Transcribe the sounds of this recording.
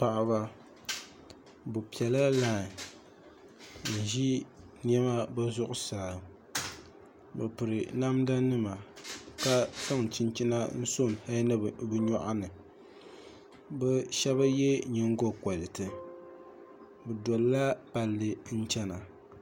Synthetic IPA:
pa˨ʔa˨βa˨ | bu˨pi˨ɛ˨la˦laː˦˨ | n̩˨ʒi˦ | n˦ɛ˦ma˦ba˦zʊ˦ʔʊ˦saː˨ | bɨ̰˨pɨ˨ɾɨ˨na˦mda˦nɨ˦ma˨ka˦sa˦ŋ˨t͡ʃi˦nt͡ʃi˦na˦n̩˦so˦˨n˨ha˦nɨ˦bɨ˦ɲɔ˦ʔa˦nɨ˨ | bɛ˦ʃɛ˦ba˦jɛ˦ɲɪ˦ŋ˦ɡo˦kɔ˨lɪ˨tɨ˨ | bɨ˨dɔ˨lla˦pa˨lːɨ˨n̩˦t͡ʃɛ˦na˨

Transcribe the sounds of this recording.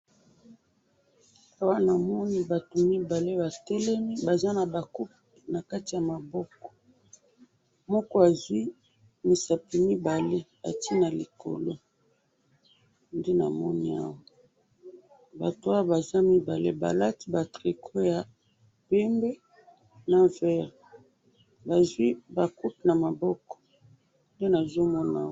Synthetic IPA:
a˦wa˦na˨mɔ˦ni˦ba˨to˨mi˦ba˨le˦ba˨tɛ˦lɛ˦mi˦ba˨za˦na˨ba˨ku˦p̚ | i˨na˨ka˦ti˨ja˨ma˨bɔ˦kɔ̥˨ | mɔ˦kɔ˦a˨zwi˦ | mi˨sa˨pi˨mi˦ba˨le˦ | a̰˨ti˦na˨li˨ko̰˨lo˦ | nde˦na̰˨mɔ̰˦ni˦a̰˦wa˨ | ba̰˨to˨˦a˦wa˦ba˨za˦mi˦ba˨le˦ba̰˨la˦ti˦ba˨tʁi˨kʰo˦ja˨ | pe˦mbe˦ | na˨vɛ˦ʁ | ba˨zwi˦ba˨ku˦tna˨ma˨bɔ˦kɔ̥˨ | nde˦na˨zo˦mɔ˦na̰˦

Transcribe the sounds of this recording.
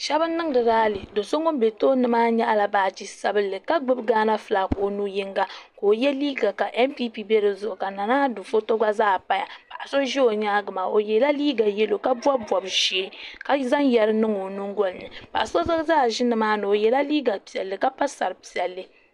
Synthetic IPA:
ʃɛ˦bɨ˦nː˦ɨ˦ŋ˦dɨ˨daː˦lɨ˨do˨so˦ŋo˦m˦be˨toː˦nɨ˨maː˦ɲɛ˦ʔa˨la˨baː˨d͡ʒi˦sa˦bɨ˦lːɨ˨ka˦ɡ͡bɨ˦bɡaː˦na˦fɨ˨la˨koː˨nu˦ji˦ŋɡa˦koː˨jɛ˦liː˦ɡa˨ka˨ʔɛ˦mpi˦pi˦be˦ɾɨ˨zʊ˨ʔʊ˨ka˨na˨naː˦du˨fo˦to˦ɡa˦zaː˦˨pa˦ja˨pa˨ʔa˨so˦ʒi˦o˨ɲa˦ɡɨ˨ma˨o˨jɛ˨la˦liː˦ɡa˨jɛ˦lo˨ka˦bwa˦bwɔ˨bʒe˨˦ka˦za˦ŋjɛ˦ɾɨ˦nɨ˦ŋo˨nu˦ŋɡo˦lnɨ˨pa̰˨ʔa˨so˦zɨ˦zaː˦˨ʒɪ˦nɨ˨maː˦nɨ˨o˨jɛ˨la˦liː˦ɡa˨pi˨ɛ˨lːɨ˨ka˦pa˦sa̰˨ɾɨ˨pi˨ɛ˨lːɨ˦

